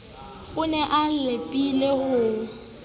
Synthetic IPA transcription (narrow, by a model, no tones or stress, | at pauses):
ɣʊnɛʔalepʼilehʊ